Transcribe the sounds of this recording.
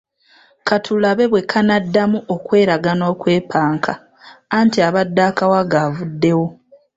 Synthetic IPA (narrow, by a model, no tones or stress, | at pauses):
kʰatʰulaβe̞βwe̞kʰanadːamuo̞kwe̞ːɾaɡano̞ːkwe̞ːpʰaːŋkʰaː | ntiaβadːaːkawaɡavudːe̞wo̞